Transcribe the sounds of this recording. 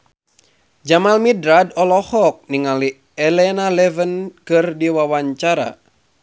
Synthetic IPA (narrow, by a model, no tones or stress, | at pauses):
d͡ʒamalmidɾadɔlɔhɔk̚niŋali | ɛlɛnalɛvənkɨrdiwawaɲt͡ʃaɾa̰